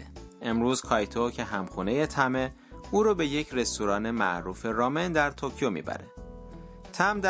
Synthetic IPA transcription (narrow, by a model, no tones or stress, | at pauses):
e̞mɾuːzkʰɒjt̪ʰocʰe̞ɦæmxuːne̞jet̪ʰæme̞ | uːɾɔːbe̞je̞cʰɾe̞st̪uɾɒːne̞mæ̰ʔɾuːfe̞ɾɒːmend̪æɾt̪ʰocʰijomḭːbæ̰ɾe | t̪ʰæmd̪